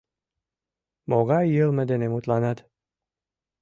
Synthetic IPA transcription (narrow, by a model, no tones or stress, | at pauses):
moɣɑjːəlˠmə̆d̪enemut̪lɑnɑt̪